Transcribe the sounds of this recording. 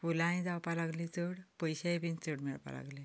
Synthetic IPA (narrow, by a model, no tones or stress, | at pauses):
fulãĩd͡zawpalaɡlit͡səɽpəjɕajbint͡səɽmɛɭpa̰la̰ɡle